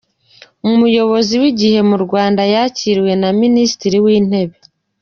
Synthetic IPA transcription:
uumujo̞βo̞ziwiɟihe̞muɾɡwaːndajaciɾiwe̞naminisi̥tiɾiwiːn̥e̞βe̞

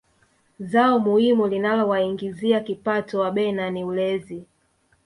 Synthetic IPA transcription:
zaɔmuhimulinalɔwaiŋɡiziakipatɔwaɓɛnaniulɛzi

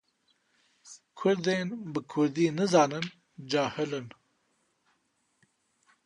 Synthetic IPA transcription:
kʰʊɾd̪eːnbɨkʰʊɾd̪iːnɨzɑːnɨn | d͡ʒaːhɨlɨn

